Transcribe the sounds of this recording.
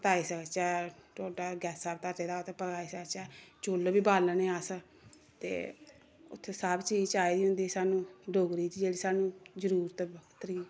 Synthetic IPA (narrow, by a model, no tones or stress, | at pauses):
pət̪aːiːsəkt͡ʃɛːʈoːʈaːɡɛːsaːbt̪aːteːd̪aːot̪ʰepəkaːiːsəkt͡ʃɛːt͡ʃoːlbiːbaːlənẽːaːsə | t̪ḛː | ʊ̰t̪ʰːesaːbt͡ʃiːd͡ʒt͡ʃaːiːd̪iːɦʊ̃nd̪iːsaːnũːɖoːɡɾiːt̪iːd͡ʒeːɽiːsaːnũːzəɾuːɾt̪ːbt̪əɾiː